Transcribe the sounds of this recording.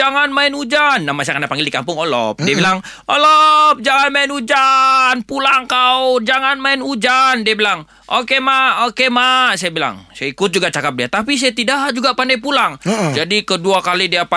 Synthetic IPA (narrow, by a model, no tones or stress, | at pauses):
aŋanmaɪnud͡ʒanːamasajakəndapaŋɡɪldikampʊŋolɔ̰p̚diabilaŋ | olɔp̚d͡ʒaŋanmaɪnud͡ʒanpulaŋkaud͡ʒaŋanmaɪnud͡ʒandiabilaŋ | ʔokemaokemasajabila̰ŋsajaikʊt̪̚d͡ʒuɡat͡ʃakap̚diat̪apis̬ajat̪idad͡ʒuɡaʔpandajpulaŋd͡ʒadikəduakalidiapa